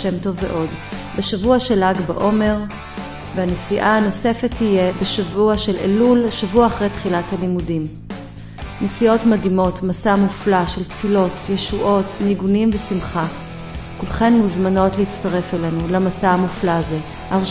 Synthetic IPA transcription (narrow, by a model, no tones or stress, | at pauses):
emto̞vːḛʔo̞d | beʃavuaʃe̞laɡba̰ʔo̞me̞ʁ | veanesiʔaano̞se̞fe̞thije̞beʃavuaʃe̞lʔḛlulʃavuaːχʁejtχilathalimudim | nesio̞tmadimo̞tmasamuflaʃe̞ltfilo̞tjeʃuʔo̞tniɡunimvesimχa | kulχe̞nmuzmano̞tleit͡staʁe̞fele̞nulamasaamuflaːze | ʔaʁ